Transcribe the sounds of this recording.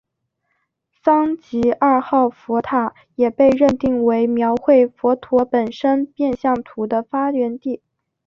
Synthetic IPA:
sɑ˥ŋt͡ɕi˧˥ʔa˞˥˧xɑ˥˩ʊfɔ˧˥t̪ʰa˨˩ | jɛ˨˩pe˥˧ɪɻə˥˧nt̪i˥˩ŋwe˧˥ɪmjɑ˧˥ʊxwe˥˩ɪfɔ˧˥t̪ʰwɔ˧˥pə˨˩nʂə˥npjɛ˥˧nɕjɑ˥˩ŋt̪ʰu˧˥d̪ə˧fa˥lɥɛ˧˥nt̪i˥˩

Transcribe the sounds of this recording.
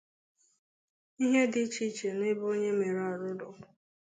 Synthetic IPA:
i˦ɦe˦dɪ˦t͡ʃi˦t͡ʃe˨nɪ˦bo˦ɲe˦me˨ɾa˨ɾʊ˦dʊ˨

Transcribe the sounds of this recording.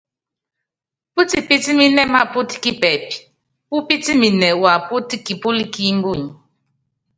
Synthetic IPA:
pu˦ti˨pi˦ti˦mi˦nɛ˦ma˦˨pu˦ti̥˦ki˦pɛ˨pi̥˨ | pu˦pi˦ti˦mi˨nɛ˨wa˨pu˦ti˦ki˨pu˦li˦ki˦m˦bu˦˨ɲ˨

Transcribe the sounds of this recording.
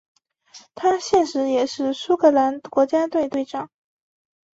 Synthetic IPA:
t̪ʰa˥ɕjɛ˥˩nʂɻ̩˧˥jɛ˨˩ʂɻ̩˥˩su˥kʰɤ˥˩la˧˥nkwɔ˧˥t͡ɕja˥t̪we˥˧ɪt̪we˥˧ɪʈ͡ʂɑ˥˩ŋ

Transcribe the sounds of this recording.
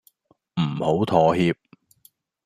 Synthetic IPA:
m̩˨˩ho˨˥wt̪ʰɔː˨hiː˧p̚

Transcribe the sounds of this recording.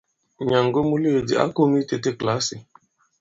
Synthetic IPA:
ɲa˨ŋ̩˨ɡo˦mu˦le˦˨dɪ˨a̰˦ko˦m˦i˦te˦te˦kla˦sɪ˨

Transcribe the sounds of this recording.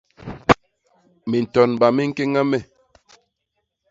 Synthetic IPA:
mi˨n̩˨tɔ˨nba˨mi˦ŋ̩˦ke˦ŋa˦mɛ˦˨

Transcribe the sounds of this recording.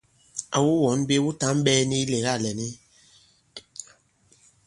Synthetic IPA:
a̰˨wu˦wɔ˨˦n˦be˦wu˦ta˨˦m˦ɓɛː˦ni˦le˨ɣa˦˨lɛ˨ni˦

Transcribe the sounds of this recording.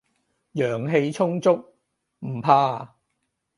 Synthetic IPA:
jœː˨˩ŋɦe˧jt͡sʰʊ˥ŋt͡sʊ˥k̚ | m̩˨˩pʰaː˧

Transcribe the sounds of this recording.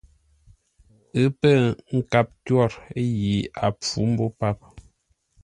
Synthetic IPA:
ɨ˦pə˦˨ŋ̩˦˨ka˦˨p̚tɥɔ˦˨ɾe˦ji˨˦ʔa̰˨p͡fu˨˦m̩˦bo˦pa˦p̚

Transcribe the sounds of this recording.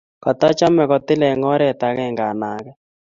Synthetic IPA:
kɔ˨t̪ɔ˦t͡ʃa˦mɛ˨kɔ˨tɪ˦lɛ˨ŋɔ˦ɾɛ˨ta˨kɛ˦˨ŋɡa˨na˨kɛ˦

